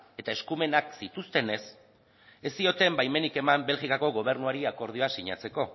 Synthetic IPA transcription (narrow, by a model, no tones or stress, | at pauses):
e̞t̪ae̞skume̞naksit̪ust̪e̞ne̞s | e̞st̪io̞t̪e̞mbajme̞nike̞mambe̞lɣikako̞ɣo̞β̞e̞ɾnuaɾiako̞ɾð̞io̞asiɲa̰t͡se̞ko̞